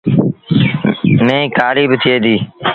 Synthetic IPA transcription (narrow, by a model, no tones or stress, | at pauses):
nəĩːkʰaːɾiːbt̪ʰɪeːd̪iː